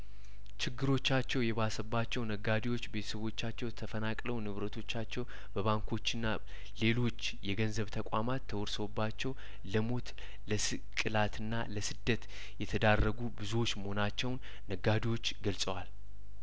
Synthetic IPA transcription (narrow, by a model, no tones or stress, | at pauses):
t͡ʃɪɡːɨɾo̞t͡ʃːat͡ʃːɛwjɛβasəbːat͡ʃːɛwnəɡad̪ewo̞t͡ʃːbe̞t̪ʰə̥səβo̞t͡ʃːat͡ʃːɛwt̪ʰəfənakʼləwnɨβɾət̪ʰo̞t͡ʃːat͡ʃːɛw | bəβaŋkʰo̞t͡ʃːɪnːa | le̞lo̞t͡ʃː | jɛɡənzəβt̪ʰəkʼamat̪ʰːəwɔɾsəwbːat͡ʃːɛw | ləmo̞t̪ | ləsɨ | kʼɨlat̪ʰɨnːaləsɨd̪ːət̪ | jɛt̪ʰəd̪arːəɡubɨzuwo̞t͡ʃːməho̞nat͡ʃːɛwnːəɡad̪ewo̞t͡ʃːɡəlsʼəwal